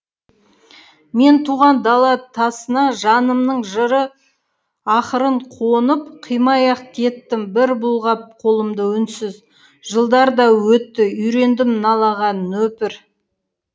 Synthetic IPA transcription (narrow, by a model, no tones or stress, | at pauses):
me̞nt̪ʰuʁɑnd̪ɑlˠɑt̪ʰɑsənɑʒɑnəmnəɴʒəɾə | ɑχəɾəɴqʰonəp̚qʰəjmɑjɑqkʲʰe̞t̪ːɪmbɪɾbʊlˠʁɑp̚qʰo̞lˠəmd̪əʏnsɪz | ʒ̥əlˠd̪ɑɾd̪ɑwɵt̪ːɪʏjɾe̞nd̪ɪmnɑlˠɑʁɑnːɵpɪɾ